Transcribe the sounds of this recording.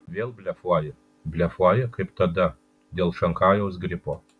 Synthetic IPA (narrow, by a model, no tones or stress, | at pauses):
ʋʲeːlˠbʲlʲɛfuɔjɪ | bʲlʲɛfuɔjɪkɐɪpt̪ɐd̪ɐ | d̪ʲeːlˠʃɐŋkɑːjɛʊsɡɾʲɪpoː